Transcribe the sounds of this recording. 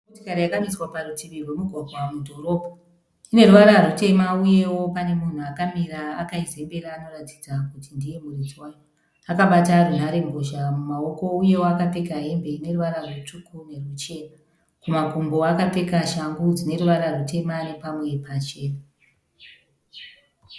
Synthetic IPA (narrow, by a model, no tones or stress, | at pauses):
otikaɾejakamiswaparutʰiʋirwe̞muɡʱwaɡʱwamudʱo̞ɾo̞ːbʱa | ine̞ruʋaɾarute̞mauje̞wo̞pane̞mun̤uakamiraːkaize̞mbeɾaːno̞rati̥d͡zakutindije̞murit͡swajo | akaɓatarun̤aɾe̞ŋɡoʃamumao̞ko̞uje̞woakapekaɦe̞mbe̞ine̞ruʋaɾarwut͡ʂukune̞rut͡ʃe̞ːna | kumaɡʱumbo̞akape̞kaʃaŋɡud͡zine̞ɾuʋaɾarute̞mane̞pamwe̞pat͡ʃe̞ːna